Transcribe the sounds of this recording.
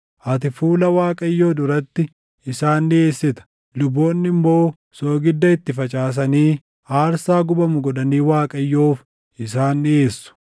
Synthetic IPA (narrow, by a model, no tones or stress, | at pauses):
ʔɐt̪ɪfuːlɐwaːkʼɐjːo̞ːd̪ʊɾɐt̪ːɪ | ɪsaːnːɪe̞ːsːɪt̪ɐ̥ | lʊbːo̞ːnːɪmːo̞ː | so̞ːɡɪd̪ːɐɪt̪ːɪfɐt͡ʃʼaːs̬ɐniː | aːɾsaːɡʊbɐmʊɡɔᶑ̪ɐniːwaːkʼɐjːo̞ːf | ɪsaːnːɪe̞ːsːʊ̥